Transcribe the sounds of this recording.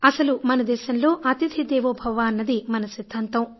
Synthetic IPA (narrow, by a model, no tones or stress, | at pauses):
ɐsɐlumɐnɐd̪ɛːʃɐnlo̞ːʔɐt̪id̪ʱʰid̪ɛːʋobʱɐʋaːɐnːɐd̪imɐnɐʃid̪ʱːaːnt̪ɐm